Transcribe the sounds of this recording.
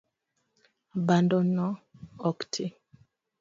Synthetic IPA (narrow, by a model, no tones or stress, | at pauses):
bandɔnɔɔktʰi